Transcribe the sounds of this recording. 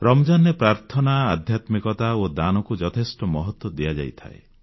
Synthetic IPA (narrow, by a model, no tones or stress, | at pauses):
ɾɔmɔd͡ʒanepɾaɾt̪ʰɔnaːd̪ʱjat̪mikɔt̪aod̪anɔkud͡ʒɔt̪ʰesʈɔmɔɦɔt̪wɔd̪ijad͡ʒa̰jt̪ʰa̰ḛ